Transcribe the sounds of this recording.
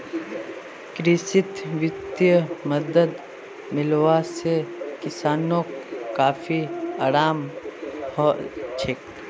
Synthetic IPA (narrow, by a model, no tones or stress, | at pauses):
kɾɪsɪt̪ʋɪt̪jəməd̪əd̪ | mɪlwasekɪsaːnõkkaːfʰiaːɾaːmhɔt͡ʃʰɪk